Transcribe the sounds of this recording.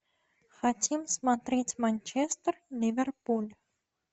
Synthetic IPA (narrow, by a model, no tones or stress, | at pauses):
xatʲʰimsmat̪ɾʲetʲmanʲt͡ʃɛst̪rlʲivʲɛrpulʲ